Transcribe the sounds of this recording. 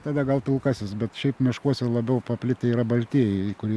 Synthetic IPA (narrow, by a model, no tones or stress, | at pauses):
t̪ɑːd̪ɐɡɐlˠt̪ulˠkɑːsʲɪsbʲɛt̪ʃʲɛɪpmʲɪʃkuɔsʲɛlˠɐbʲɛʊpɐpʲlʲɪt̪ʲɪiːɾɐbɐlʲt̪ʲiːjɛɪkʊɾʲiː